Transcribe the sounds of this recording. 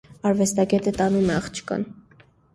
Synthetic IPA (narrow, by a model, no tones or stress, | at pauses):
ɑɾvɛst̪ɑɡɛt̪ət̪ɑnumɛɑχt͡ʃʰə̥kɑ̰n